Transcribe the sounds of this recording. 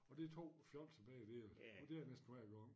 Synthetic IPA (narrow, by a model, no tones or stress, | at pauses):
ɒ̽d̥it͡sʰo̝̰ːfjɒ̽l̰t͡sʰeb̥ɛ̰ːɪd̥ed̥e̝ænesd̥nʋæ̰ɐɡ̥ɒŋ